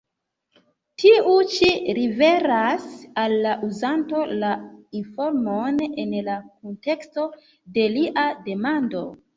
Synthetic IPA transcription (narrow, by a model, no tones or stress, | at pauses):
tʰiut͡ʃiɾive̞ɾasalːaʔuzanto̞lainfo̞ɾmone̞nlakonte̞ksto̞ | de̞liʔade̞mando̞̰